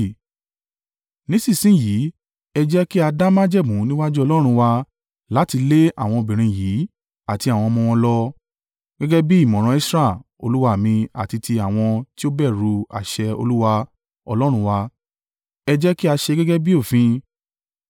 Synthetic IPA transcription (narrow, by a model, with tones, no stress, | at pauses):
nĩ˨˦sĩ˦˨sĩ˦˨ji˨˦ | ɛ˧d͡ʒɛ˦ki˦a˧da˦mã˦d͡ʒɛ˦˨mũ˨˦nĩ˦wa˦d͡ʒu˦ɔ˧lɔ˦ɾ̃ũ˧wa˧ | la˨˦ti˧le˦ʔa˦˨w̃ɔ̃˧o˧˨bĩ˨ɾ̃ĩ˧jiː˨˦ | a˦˨ti˧a˨w̃ɔ̃˧mɔ̃˧w̃ɔ̃˧lɔ˦ | ɡ̥ɛ˦ɡɛ˦bi˦i˦˨mɔ̃˨ɾ̃ɔ̃˧i˦sɾa˦˨ | o̰˧lu˦wa˧˨mĩ˧a̰˨ti˧tʰi˧a˨w̃ɔ̃˧ti˦o˦bɛ˦˨ɾu˧a̰˨ʃɛ˧o̰˧lu˦wa˧ | ɔ˧lɔ˦ɾ̃ũ˧wa˧ | ɛ˧d͡ʒɛ˦ki˦a˧ʃɛ˧ɡɛ˦ɡɛ˦bi˦o˦˨fĩ˧